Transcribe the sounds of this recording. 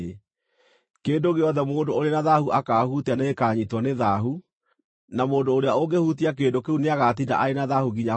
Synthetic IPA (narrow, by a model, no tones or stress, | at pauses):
keːndoɣeɔðɛmoːndooɾenaðahuʔakahutaneːkaːɲitwɔneðaɦu | namoːndoːɾeaoɡehutiakeːndokeuneaɣat̬ida̰ʔaenaðahuɣiɲa